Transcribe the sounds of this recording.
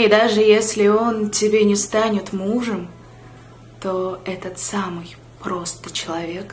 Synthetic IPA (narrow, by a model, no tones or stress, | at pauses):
ɪd̪aʐɨjesʲlʲɪo̞ntʲɪbʲenʲɪst̪anʲɪt̪muʐɨm | t̪o̞ɛt̪ət̪samɨj | pɾo̞st̪ɨt͡ɕɪlˠɐvʲe̞k